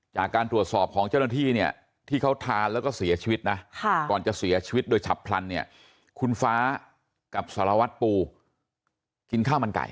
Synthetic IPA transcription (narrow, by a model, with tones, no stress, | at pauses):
t͡ɕaː˨˩kːaː˧nt̪ɾu˨˩ət̪̚sɔː˨˩p̚kʰɔː˩˦ŋt͡ɕa˥˩wna˥˧t̪ʰiː˥˩ni˥˩ɐ | t̪ʰiː˥˩kʰa˦˥wt̪ʰaː˧nlɛː˦˥wkɔː˥˩si˩˦ɐt͡ɕʰiː˧wi˦˥t̪̚na˦˥kʰa˥˩ɔː˨˩nt͡ɕa˨˩si˩˦ɐt͡ɕʰiː˧wi˦˥t̪̚doː˧jt͡ɕʰa̰˨˩pʰla˧nːi˥˩ɐ | kʰu˧nfaː˦˥ | ka˨˩p̚saː˩˦ɾa˧wa˦˥t̪̚puː˧ | ki˧nkʰaː˥˩ma˧nka̰˨˩j